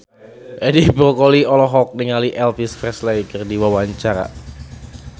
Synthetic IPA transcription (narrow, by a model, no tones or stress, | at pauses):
ʔedibɾɔkɔliɔlɔɦɔk̚niŋaliʔɛlpisfɾɛslajkərdiwawaɲt͡ʃaɾa̰